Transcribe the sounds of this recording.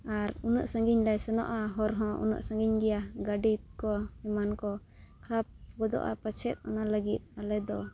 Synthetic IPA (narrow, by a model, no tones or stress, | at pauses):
aɾunə̰ʔsãŋɡiɲlajsɛnɔ̰ʔaɦɔɾɦɔ̃ʔṵnə̰ʔsãŋɡiɲɡɛjaɡaɖit̪̚kɔhɛmankɔ | kʰɾap̚ɡɔd̪ɔ̰ʔa̰pat͡ʃʰɛt̪̚ˀɔ̰naləɡit̪̚ˀalɛd̪ɔ